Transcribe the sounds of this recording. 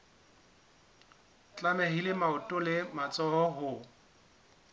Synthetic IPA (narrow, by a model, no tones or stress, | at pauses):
t͡ɬʼamɛɦilɪmaʊtʼʊlɪmat͡sʼɔɔɦʊ